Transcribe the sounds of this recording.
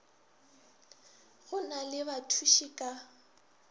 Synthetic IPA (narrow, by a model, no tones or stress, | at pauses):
ɣʊnalɪbatʰuʃikʼa